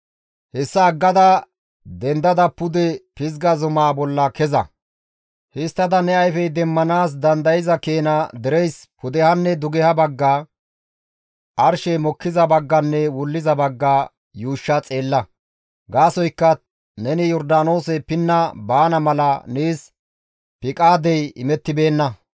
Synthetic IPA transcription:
hɛsːɐːɡːɐd̪ɐ | d̪ɛnd̪ɐd̪ɐpːʊd̪ɛpɪzɡɐzʊmaːbɔlːɐkɛzɐ̰ | hɪst̪ːɐd̪ɐnɛɐjfɛjd̪ɛmːɐnaːs̬d̪ɐnd̪ɐjɪzɐkeːnɐd̪ɛɾɛjspʊd̪ɛhɐnːɛd̪ʊɡɛhɐbɐɡːaː | ʔɐɾʃɛmɔkːɪzɐbɐɡːɐnːɛwʊlːɪzɐbɐɡːaː | juːʃːɐt͡sʼe̞ːlːɐ | ɡaːsɔjkːɐ | nɛnɪjɔɾd̪aːno̞ːsɛpɪnːɐbaːnɐmɐlɐneːs | pɪkʼaːd̪ɛjɪmɛt̪ːɪbe̞ːnːɐ

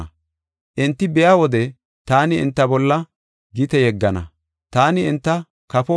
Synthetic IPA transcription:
ʔɪnt̪ːɪbɛjawɔd̪ɛ | t̪aːnɪɪ̰nt̪ːɐbɔlːɐ | ɡɪt̪ɛjɛɡːɐnɐ̰ | t̪aːnɪɪnt̪ːɐ | kɐfɔ

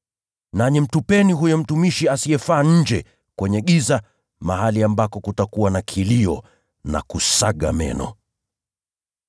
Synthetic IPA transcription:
naɲim̩tupɛniɦujɔm̩tumiʃiasiɛfaːɲ̩d͡ʒɛ | kwɛɲɛɠiza | maɦaliambakɔkutakuwanakʰiliɔ̰ | na̰kusaɠa̰mɛ̰nɔ̰

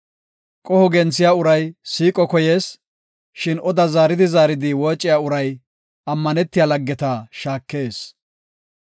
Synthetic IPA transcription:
kʼɔhɔɡɛnt͡sːɪjaːʊɾɐjsiːkʼɔkɔjeːs | ʃɪnɔd̪ɐzaːɾɪd̪ɪzaːɾɪd̪ɪwɔːt͡ʃʼːɪjaːʊɾɐj | ʔɐmːɐnɛt̪ːɪjaːlɐɡːɛt̪aʃaːkːe̞ːs

